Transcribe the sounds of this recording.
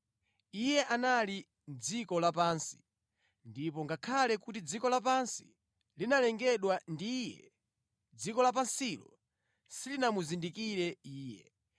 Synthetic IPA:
ijɛʔanali | n̩d͡zikɔlapaːnsi̥ | ndip̬ɔŋɡakʰalɛkutid͡zikɔlap̬ansi̥ | linalɛŋɡɛɗwandijɛ̰ | d͡zikɔlap̬ansilɔ̰ | silinamuzindikiɾɛiːjɛ̰

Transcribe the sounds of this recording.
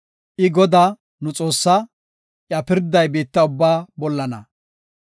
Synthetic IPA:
ʔɪɡɔd̪aː | nʊt͡sʼo̞ːsːa | ʔjɐpɪɾd̪ɐjbeːt̪ːɐʊbːaːbɔlːɐnɐ̰

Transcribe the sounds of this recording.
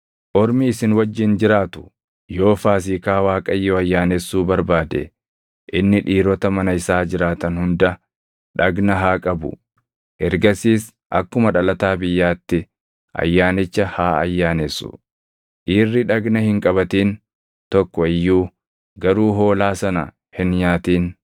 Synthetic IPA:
ʔɔɾmiːsɪnwɐd͡ʒːɪnd͡ʒɪɾaːt̪ʊ̥ | jo̞ːfaːs̬ikaːwaːkʼɐjːoːɐjːaːneːsːuːbɐɾbaːd̪ɛ̰ | ʔɪnːɪᶑiːɾɔt̪ɐmɐnɐɪsaːd͡ʒɪɾaːt̪ɐnhʊnd̪ɐ | ᶑɐɡnɐɦaːkʼɐbʊ̰ | ʔɛɾɡɐsiːs | ʔɐkːʊmɐᶑɐlɐt̪aːbɪjːaːt̪ːɪ | ʔɐ̰jːaːnɪt͡ʃːɐhaːɐ̰jːaːneːsːʊ̰ | ʔiːrːɪᶑɐɡnɐhɪŋkʼɐβɐt̪iːn | t̪ɔkːɔɪjːuː | ɡɐɾuːɦo̞ːlaːsɐnɐ̰ | hɪnɲaːt̪iːn

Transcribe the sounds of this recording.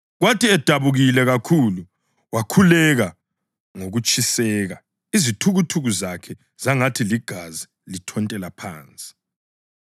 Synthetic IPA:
ɣwatʰiɛd̥ʱaβuɣilɛɣakʰulu | wakʰulɛɣa | ŋoɣut͡ʃʼisɛːɣa | izitʰuɣutʰuɣuzakʰɛ | z̥aŋatʰiliɡ̥ʱazi | litʰɔntʼɛlapʰa̰ːnt͡sʼi̥

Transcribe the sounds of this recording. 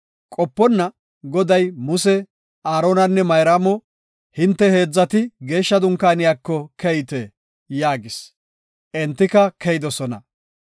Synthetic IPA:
kʼɔpːɔnːɐ | ɡɔd̪ɐjmʊsɛ | aːɾoːnɐnːɛmɐjɾaːmɔ | hɪnt̪ːɛhe̞ːd͡zːɐt̪ɪɡe̞ːʃːɐd̪ʊŋkːaːnɪjaːkːɔkʰɛjt̪eː | jaːɡɪs | ʔɛnt̪ːɪkɐkʰɛjɪd̪ɔsɔnɐ̰

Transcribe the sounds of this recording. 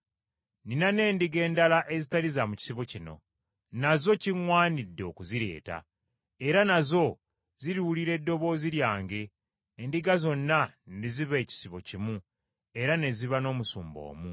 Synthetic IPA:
ninane̞ːndiɡe̞ːndalaʔe̞zitalizamuci̥siβocino̞̰ | nazo̞ciŋwaːnidːeo̞kuziɾe̞̰ːta̰ | e̞ɾanazo̞ | ziɾiwuliɾe̞dːo̞βo̞ːziljaːŋɡe̞ː | ndiɡazo̞nːaniziβe̞ːci̥siβo̞cimu | e̞ɾane̞ziβano̞ːmusuːmbo̞̰ːmu

